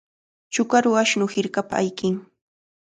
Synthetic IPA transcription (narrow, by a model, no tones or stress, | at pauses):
t͡ʃʊkaɾʊaʃnʊhɪɾkapa̰ajkɪŋ